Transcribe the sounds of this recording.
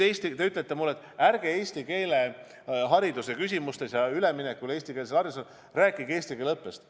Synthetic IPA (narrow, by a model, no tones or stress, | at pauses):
eːsʲt̪it̪e̞yt̪ːˑlet̪ːˑemulːet̪ːˑæɾɡ̥e̞eːsʲt̪ike̞ːle̞ | ɦɑɾid̪usekys̬ʲimust̪e̞sjɑyleminekːule̞ːsʲt̪ikelselhɑɾius̬el | ræːkːˑiɡe̞ːst̪ike̞ːlɤpːˑest̪